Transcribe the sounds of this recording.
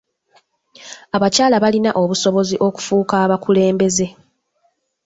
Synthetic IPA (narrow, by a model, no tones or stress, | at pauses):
aβacaːlaβalinaʔo̞βuso̞βo̞ziʔo̞ku̥fuːkaːβakule̞ːmbe̞ze̞